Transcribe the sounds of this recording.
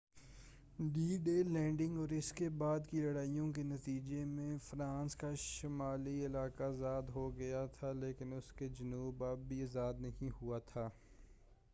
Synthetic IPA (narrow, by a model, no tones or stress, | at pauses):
ɖiːɖeːlɛ̃ːɳɖɪ̃ŋɡɔːɾɪskebaːd̪kilɐɽaːijõk̬enɐt̪iːd͡ʒemẽfɾãːnskaʃɪmaːliɪlaːkazaːd̪ɦoɡɐjat̪ʰaleːkɪnʊsked͡ʒɐnuːbabbʱiɐzaːd̪nɐɦĩɦuat̪ʰaː